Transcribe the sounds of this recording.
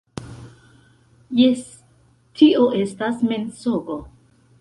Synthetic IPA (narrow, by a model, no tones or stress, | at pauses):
jes | tʰiʔo̞ʔe̞stasme̞nsoɡo